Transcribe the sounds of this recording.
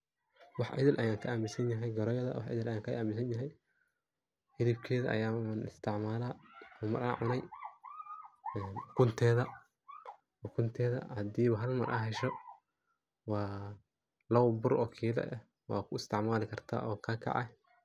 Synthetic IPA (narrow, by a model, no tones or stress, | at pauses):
wɑħʔɪ̰ðɪlʔɐjaːŋkʰɐʔaːmɪsɐnjɐɦɛjɡɐɾɔjɐðɐ̰wɑ̰ħʔɪ̰ðɪlʔɐjaːŋkʰɐʔaːmɪsɐnjɐɦɛj | hɪðibkʰɛːðɐʔɐ̰jaːmɐnɪ̰st̪ʰɪʕmaːlaːʊmɐɾa̰ːʕʊnɛj | ɛːnkʰʊnt̪ʰɛːðɐ | ɔkʰʊnt̪ʰɛːðɐ̰hɐd̪iːβɐɦɐlmɐrʔɐ̰ɦɛʃɔ | wɑː | lɐwbʊrʔɔːkʰiːlɛ̰ʔɛ | wɑ̰ːkʰʊɪst̪ʰɪʕmaːlɪkʰɐrt̪ʰa̰ːʔɔːkʰakʰɑ̰ʕɛ̰